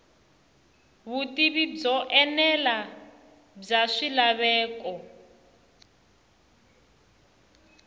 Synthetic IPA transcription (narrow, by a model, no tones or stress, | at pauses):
βutiβib͡ʐɔʔɛnɛla | b͡ʐaʂilaβɛːkɔ